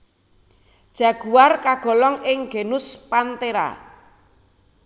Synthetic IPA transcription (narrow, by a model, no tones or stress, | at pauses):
d̥ʒ̥a̤ɡ̥uwarkaɡ̥ɔ̤lɔŋɪŋɡ̥e̤nʊspant̪eɾa̰